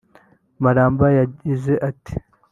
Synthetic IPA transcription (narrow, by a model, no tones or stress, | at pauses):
maɾaːmbajaɟizeʔati̥